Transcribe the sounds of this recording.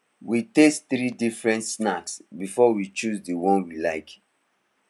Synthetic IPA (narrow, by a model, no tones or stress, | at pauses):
witestθɾidifɹɛ̃ntsnaksbifɔwit͡ʃuzdiwɔ̃nwilaɪk